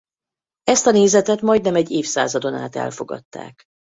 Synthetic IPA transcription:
ɛst̪ɒneːzɛt̪ɛt̪mɒjd̪nɛmɛɟːeːfsa̰ːzɒd̪o̞na̰ːt̪ɛ̰lfo̞ɡɒ̰t̪ːa̰ːk

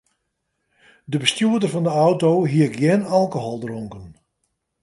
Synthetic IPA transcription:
dəbəstjuədərvɑndəɔwtowɦiəkjɛnɑlˠkoɦɔlˠdrɔŋkən

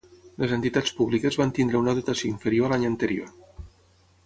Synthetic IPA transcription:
ləzənt̪it̪at͡spuβlikəzβant̪ind̪ɾəunəðut̪asioĩɱfəɾioalaɲənt̪əɾio̰

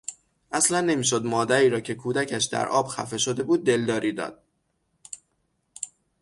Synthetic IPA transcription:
ʔæslænːemiːʃ̬od̪mɒːd̪æɾiːɾɒːcʰe̞kʰuːd̪æcʰæʃd̪æ̰ɾʔɒ̰ːb̥xæ̰fe̞ʃo̞d̪e̞buːd̪̚ːe̞ld̪ɒːɾʔiːd̪ɒ̰ːd̪̥̚

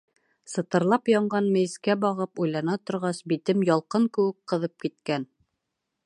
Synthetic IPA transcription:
sɤ̆t̪ɤ̆ɾlˠɑpjɑɴɢɑnmɘ̆jskæbɑʁɤpujlˠɑnɑt̪ŏɾʁɑsbit̪ɘmjɑlˠqɤŋkɘ̆wɘkqɤ̆ðɤp̚kit̪̚kæn

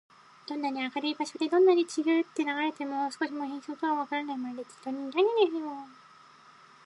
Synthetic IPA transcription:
d̪̥onːaɲ̟iakaɾɯibaɕo̞d̪e̞d̪õ̞nːaɲ̟it͡ɕiɡɯɯt̪ːe̞naɡaɾe̞t̪e̞mo̞sɨ̥ko̞ɕ̬imohẽɰ̃so̞ːt̪o̞βaβakaɾanaimad̪et̪i̥t̪ːoɲiɾaɡeneɾɯjo

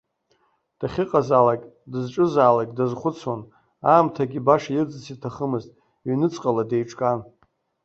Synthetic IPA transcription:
d̥aχʲɪqʼazalakʲʼdɨzʈ͡ʂʼɨzaːlakʲʼdazχʷʊt͡sʰwan | aːmtʰaɡʲibaʂajɪrd͡zɨt͡sʰitʰaχəmɨztʼ | ɥnɨt͡sʼqʼalade̞jʈ͡ʂʼkʼan

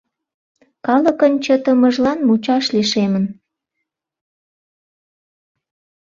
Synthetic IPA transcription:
kɑlə̆kənt͡ɕət̪əmə̆ʒlɑnmut͡ɕɑʃliʃemən

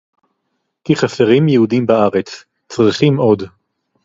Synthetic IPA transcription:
kiχaseʁimjehudimbaaʁe̞t͡s | t͡sʁiχimo̞d

